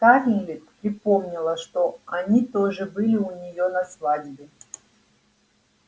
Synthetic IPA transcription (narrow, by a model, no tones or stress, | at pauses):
k̪aɾʲɪlʲɪt̪pɾʲɪpomnʲɪlˠəʂt̪oɐnʲit̪oʐɨbɨlʲɪʊnʲɪjonɐsvadʲbʲɪ